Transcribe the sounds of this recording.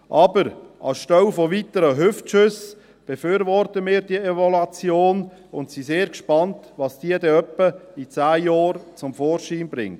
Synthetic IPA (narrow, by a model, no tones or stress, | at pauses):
ʔɑːbəɾʔɑ̰sʃtœwfɔʋitəɾəɦʏftʃʏs | b̥efʏːɾvɔrtəmiːɾdievɔlɑt͡sjoːn | ʊntsiseːɾkʃpɑntʋɑsd̥iədɛœpːəit͡sæːjɔːɾt͡sʊmfɔːɾʃiːnbɾɪ̰ŋt